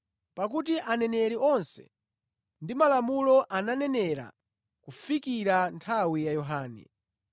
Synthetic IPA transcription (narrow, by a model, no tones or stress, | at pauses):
pak̬ut̬iʔanɛnɛɾiɔnsɛ̥̰ | ndimalamulɔʔananɛnɛɾa̰ | kufikiɾantʰawijajɔɦaːnɛ̰